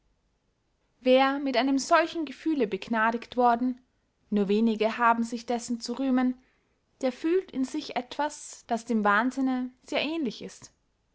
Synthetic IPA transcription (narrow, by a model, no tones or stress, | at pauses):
veːɐmɪtʔaɪnəmzɔlçn̩ɡəfyːləbəɡnaːɾɪktv̥ɔɐdn̩ | nuːɐveːnɪɡəhaːbm̩zɪçd̥ɛsn̩t͡suʁyːmən | d̥eːɐfyːltɪnzɪçʔɛtv̥asd̥asd̥eːmvaːnzɪnəz̥eːɐʔɛːnlɪçɪst